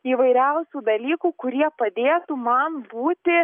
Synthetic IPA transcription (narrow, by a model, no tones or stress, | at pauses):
iːʋɐɪɾʲɛʊsʲuːd̪ɐlʲiːkuːkʊɾʲiɛpɐd̪ʲeːt̪uːmɐnbuːt̪ʲɪ